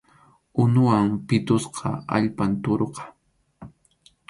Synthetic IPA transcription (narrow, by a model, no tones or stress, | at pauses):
ʊnʊwaŋpɪt̪ʊsqʰɑ̰a̰ʎpant̪oɾqɑ̥